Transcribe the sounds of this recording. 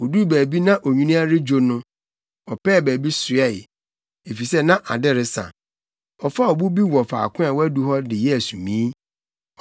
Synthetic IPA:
o˨du˦˨bæː˨bi˦nã˦ʔo˨ɲĩ˦nĩ˦a˦ɾɪ˦d͡ʑᶣo˦nʊ̃˦ | ɔ˨pʰɛː˦˨bæː˨bi˦sʊ˨ɛ˦˨ɪ˨ | e˨fi˨sɛ˦nã˦ʔa˨dɪ˦ɾɪ˦sã̰˨ | ɔ˨fa˦ɔ˨bu˦bi˦wɔ˨fa̰˨kʰʊ̃˦a˨wɔ˦æ˦du˦ɦɔ˦dɪ˨jɛ˦æ˨sũ˨mĩ˨˦

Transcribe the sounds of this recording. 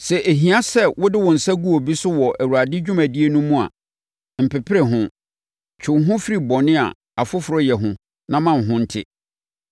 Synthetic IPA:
sɛ˨ʔe˨ɦĩ˨a˦sɛ˦wʊ˦dɪ˦wɔ̃˨n̩˨sa˦ɡu˦o˨bi˦sʊ˦wɔ˨ʔæ˨wu˨ɾa˨dɪ˦d͡ʑᶣʊ˦mæ̃˨di˦e˦nũ˦mũ˦a̰˨ | m̩˨pʰɛ˨pʰɪ˦ɾɛ˨ɦʊ̃˦ | t͡ɕʰᶣɪ˨˦ɦʊ̃˦fi˦ɾi˨bɔ̃˨nɪ̃˦a̰˨ | a˨fʊ˦fʊ˨ɾɔ˦jɛ˨ɦʊ̃˦ | nã˦mã˨n˨ɦʊ̃˦n̩˦tʰɪ̰˦

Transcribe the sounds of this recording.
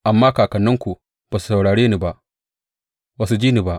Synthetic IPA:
ʔa˨mːaː˦kaː˨kɐ˨nːɐ˦ŋkʷu˨ | b̥aː˨su̥˨sa˨wɽaː˨ɽeː˦ni˦ba˨ʔ | wɐ˦s̬u˦d͡ʒiː˦ni˨ba˨ʔ

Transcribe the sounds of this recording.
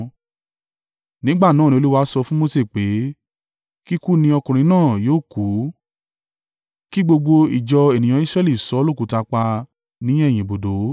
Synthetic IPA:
nĩ˨˦ɡ͡ba˦˨nãː˦˨nĩ˧o˧lu˦wa˦sɔ˧fũ˦mo˧se˦˨k͡pe˨˦ | ki˦ku˦˨nĩ˧ɔ˧kũ˨ɾ̃ĩ˧˦nãː˦˨joː˨˦˨ku˨˦ | ki˦ɡ͡bo˧ɡ͡bo˧i˨d͡ʒɔ˧e˨nĩ˨j̃ɔ̃˧˦i˦sɾɛ˦˧˨li˨sɔ˨˦lo˦˨ku˨˦ta˧k͡pa˧ | nĩ˨˦ɛ˦˨j̃ĩ˨bo˨do˨˦

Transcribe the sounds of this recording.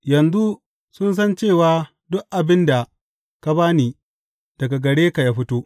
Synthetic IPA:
jɐ˨nzu˦ | sʊ˦ns̬ɐ˦nt͡ʃeː˦˨waː˦ | dʊ˦kʔa˨bɪ˦nda˨ | ka˦baː˦niː˨ | d̥ɐ˨ɡa˨ɡɐ˨ɽeː˦ka˨ja˦ɸɪ˦toː˦ʔ

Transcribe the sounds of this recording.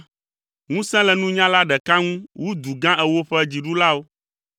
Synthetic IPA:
ŋũ˦sɛ̃˦lɛ˨nũ˦ɲã˦la˦ɖɛ˨ka˦ŋũ˦wu˦d̪u˨ɡã˦ɛ˨wo˦ɸɛ˦d͡ʑi˨ɖu˦la˦wo˦

